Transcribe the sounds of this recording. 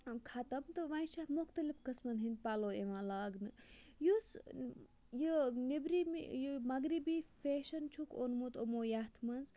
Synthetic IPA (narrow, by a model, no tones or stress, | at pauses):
kʰɐt̪ɐmt̪ɨʋɐĩʃɐmʊxt̪ɐlifkɐsmɐnɦinpaloːeʋãːlaːɡnɨ | jus | jinibɾimḭjumɐɡɾibiːfeːʃɐnt͡ʃʰukonmut̪omoːjat̪ʰmɐnz